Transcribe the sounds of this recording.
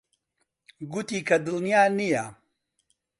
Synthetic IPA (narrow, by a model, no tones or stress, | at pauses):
ɡut̪iːkʰɐd̪ɨlnijaːnijɐ